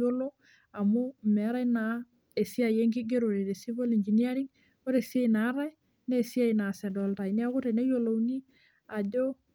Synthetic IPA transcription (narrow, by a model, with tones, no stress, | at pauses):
o˦lo˦ | a˨mo˦me˨˦ɾa˦jna˨ | e˨si˦a˨je˦ŋk̬i˦ɡe˦ɾoɾe˨ɾe˨si˦bo˦li˨ɲd͡ʒi˨nia˦ɾi˦ŋ | o˦ɾe˨si˦a˦jna˨˦ɾa˦j | ne˦˨si˦a˦ina˨sɛ˨dɔ˨lta˨ini˦a˦ku˦te˨ne˦jo˦lo˨wni˦ | a˨ɟo˦